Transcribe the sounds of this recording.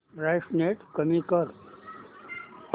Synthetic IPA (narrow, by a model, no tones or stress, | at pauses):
ɾajʂneːʈkəmikəɾ